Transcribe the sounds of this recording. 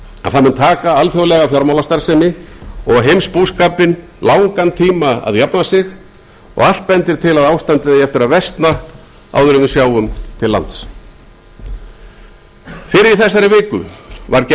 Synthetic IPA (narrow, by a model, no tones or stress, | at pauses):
a̰ðθamɪnt̪ʰaːkaalfjowlɛɣafjɔɾmawlast̪aɾ̥sɛmɪɔɣɦejmspuskaːpɪn | laːwŋkant̪ʰiːmaa̰ðjapnasɪx | ɔ̰ɣal̥t̪̚pɛnt̪ɪɾ̥t̪ʰɪlaðaːwst̪ant̪ɪðɛjɛft̪ɪɾaðvɛst̪na | a̰ːwðʏɾʏɪsjaːwʏmt̪ʰɪlːa̰nt̪s | fɪɾɪɪɾθɛsːaɾɪvɪːkʏ̰vaɾcɛ